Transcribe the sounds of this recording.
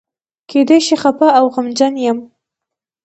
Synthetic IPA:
kʰed̪ajʃiχapaawɣamd͡ʒanjam

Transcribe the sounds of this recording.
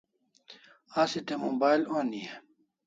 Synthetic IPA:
asit̪emobaːjlonie

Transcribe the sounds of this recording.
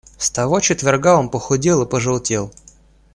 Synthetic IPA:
st̪ɐvo̞t͡ɕɪt̪vʲɪrɡao̞npəxʊdʲilˠɨpəʐɨlˠtʲelˠ

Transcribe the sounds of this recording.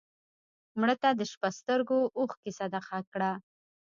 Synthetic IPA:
mɽət̪ad̪əʃpast̪əɾɡoʔoxkesad̪axakɽa

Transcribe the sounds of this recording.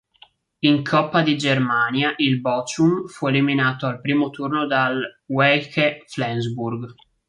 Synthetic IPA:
iŋkʰɔpːad̪id͡ʒermaːnjaʔilbɔt͡ʃumfueliminaːt̪oalpɾiːmot̪urnod̪alwɛkeflɛnzburɡ

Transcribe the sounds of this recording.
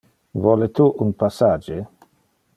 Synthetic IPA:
vɔlet̪uʔunpasad͡ʒe

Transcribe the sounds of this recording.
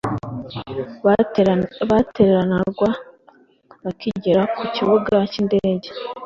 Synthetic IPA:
βateɾeɾanaɾɡwa | βakiɟiɾakuciβuɡacinde̞ːɟe̞

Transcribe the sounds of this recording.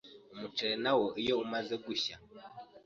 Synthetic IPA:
umut͡ʃɛnawɔʔijɔumazɛɡuʃa

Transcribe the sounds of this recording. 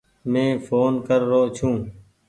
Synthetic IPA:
mẽːfʰoːnkəɾːoːt͡ʃʰũː

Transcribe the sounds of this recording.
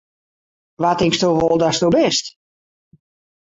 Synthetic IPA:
ʋatɪŋkstoʋolˠdastowbɛst

